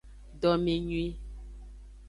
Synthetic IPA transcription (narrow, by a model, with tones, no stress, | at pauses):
dɔ˨mi˨ɲwi˦